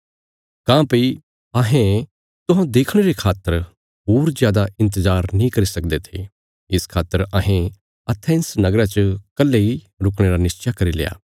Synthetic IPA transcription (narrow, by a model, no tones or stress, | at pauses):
kãːpi | ɐɦẽ | t̪ʊɦãd̪eːkʰɽ̃eɾekʰaːt̪ːəɾ | ɦuːɾzjaːd̪aʔɪ̃nt̪̬əzaːɾnĩkɐɾisɐk̚d̪et̪ʰe | ɪskʰaːt̪ːəɾɐɦẽ | ɐt̪ʰɛ̃ːnsnɐɡɾat͡ʃəkɐlːeɦi | ɾʊkɽ̃eːɾanɪst͡ʃakɐɾilḛja̰ː